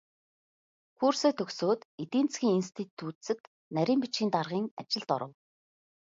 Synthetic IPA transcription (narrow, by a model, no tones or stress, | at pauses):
kuːrseːt̪ʰɵksoːt̪it̪iːnt͡sɡʲiːŋinst̪ʰit̪ʰːuːt̪sɘ̆t̪ | næɾʲiːmpit͡ɕxʲiːnt̪arʁiːŋa̰t͡ɕɪ̆ɮt̪ɔ̰ɾə̆w